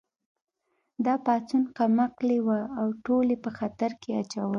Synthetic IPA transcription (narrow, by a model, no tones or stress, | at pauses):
d̪ɑpɑt͡sunqamaqlewaːwʈolepəxat̪aɾkeat͡ʃawəl